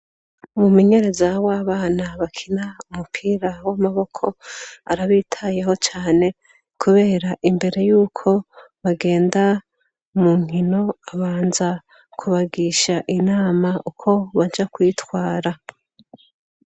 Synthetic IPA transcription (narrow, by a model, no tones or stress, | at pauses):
umumeɲe̞ɾe̞zawaːβaːnaβakʰinaumupʰiːɾawamaβo̞kʰo̞aɾaβiːtʰaje̞ɦo̞t͡ʃaːne̞ | kʰuβe̞ːɾaʔimbe̞ɾe̞juːkʰo̞βaɡe̞ːnda | muːŋ̥hino̞aβaːnza | kʰuβaɡiʃaʔinaːmaʔukʰo̞βad͡ʒakwiːtwaːɾa